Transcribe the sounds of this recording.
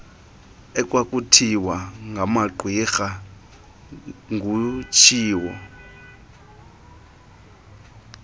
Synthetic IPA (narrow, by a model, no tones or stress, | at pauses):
ɛkʼwakʼutʰiwaŋɡʱamaɡ͡ǃʱwixa | ŋɡʱut͡ʃʰiːwɔ̰